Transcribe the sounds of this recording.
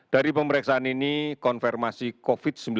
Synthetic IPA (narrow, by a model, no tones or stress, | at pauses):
d̥aɾipəməɾɛksaaninikɔnfɛrmasikofɪt̪̚səmbl